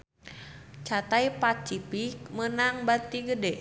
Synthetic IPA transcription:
t͡ʃat̪aipat͡ʃipik̚mənaŋbat̪iɡədɛ

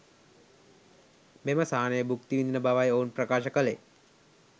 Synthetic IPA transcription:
meməsaɦanejbʱukt̪iʋind̪inəbaʋajoːnpɾɐkaːʃəkəlḛː

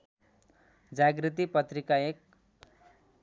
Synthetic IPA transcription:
d͡zaɡrit̪̬ipʌt̪rikaek̚

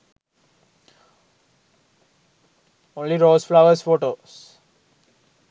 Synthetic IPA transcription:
õːnliɾoːsflaʊəɾsfoːʈoːs

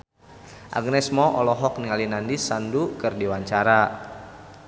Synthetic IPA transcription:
ʔa̰ɡ̚nɛsmɔʔɔlɔɦɔk̚niŋalinandisandukɨrdiwaɲt͡ʃaɾa

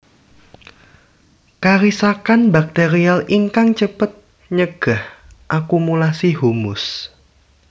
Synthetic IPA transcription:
kaɾisakanbak̚t̪eɾialiŋkaŋt͡ʃəpət̪̚ | ɲəɡ̥ahʔakumulasiɦumʊs

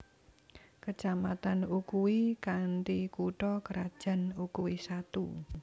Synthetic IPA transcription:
kət͡ʃamat̪anukuwikaɳʈikuʈɔkəɾad̥ʒ̥a̤nukuwisat̪u

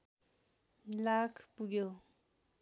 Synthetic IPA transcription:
lakʰpuɡjo

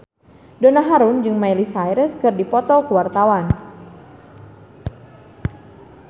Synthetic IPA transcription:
dɔnaɦaɾʊnd͡ʒɨŋmajlisajɾəskɨrdipɔt̪ɔkuwart̪awan

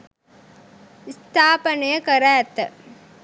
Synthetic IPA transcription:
ist̪ʰaːpənəjəkəɾæːt̪ːə

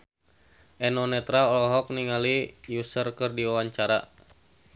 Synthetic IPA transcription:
ʔɛnɔnɛt̪ɾaɔlɔɦɔk̚niŋalijusərkərdiwawaɲt͡ʃaɾa̰

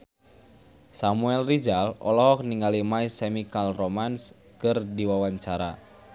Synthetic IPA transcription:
samuɛlrid͡ʒalɔ̰lɔɦɔk̚niŋɡalimaisɛmikalromans | kɨrdiwawaɲt͡ʃaɾa̰

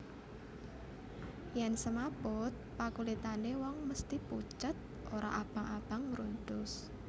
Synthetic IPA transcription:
jɛnsəmapʊt̪̚pakulit̪anewɔŋməst̪iput͡ʃət̪̚ | ʔoɾaʔab̥a̤ŋab̥a̤ŋːɾunt̪ʊs

